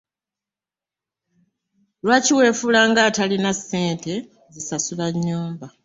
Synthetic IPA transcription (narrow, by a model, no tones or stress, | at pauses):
lwaːciwe̞ːfulaːŋɡaːtalinasːe̞ːnte̞ | zisasuβaɲːuːmba